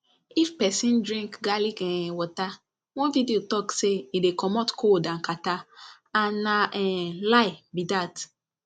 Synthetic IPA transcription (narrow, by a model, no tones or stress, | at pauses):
ifpɛsĩndɹĩŋkɡalikɛ̃wɔta | wɔ̃nvidiotɔkseidekɔmɔtkʰodãnkata | ãnːaɛlaɪbidat